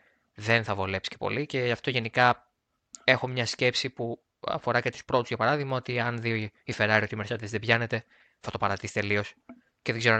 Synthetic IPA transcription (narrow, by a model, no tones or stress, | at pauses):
ðenθɐvo̞le̞psi̥cepo̞̰lice̞ɐft̪o̞ʝe̞nikɐ | e̞xo̞mɲɐsce̞psipu | ɐ̰fo̞ɾɐcet̪i̥spɾo̞t̪uzʝɐpɐɾɐðiɣmɐo̞t̪iɐnðioife̞ɾɐɾiot̪imesɐt̪ezðe̞bʝɐne̞t̪e̞ | θɐt̪o̞pɐɾɐt̪isi̥t̪elio̞s | ceðeɡze̞ɾo